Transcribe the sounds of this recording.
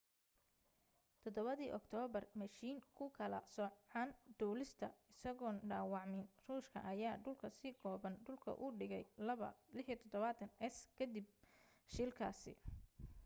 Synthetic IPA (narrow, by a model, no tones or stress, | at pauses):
t̪ʰɔd̪ɔβɐðiːʔɔkt̪ʰɔːβɐrmɐʃiːŋkʰʊkʰɐlɐsɔʕɑnd̪̥ɔːlɪst̪ʰɐɪsɐɣɔːnɖaːwɑʕmɪnruːʃkʰɐ̰ʔɐjaːɖʊlkʰɐsiːɡʰɔːβɐnɖʊlkʰɐ̰ʔʊɖɪɣɛ̰jlɐβɐ̰lɪħjt̪ʰɔd̪ɔβaːt̪ʰɐnʔɛskʰɐd̪ib̚ | ʃilkʰa̰ːsɪ̰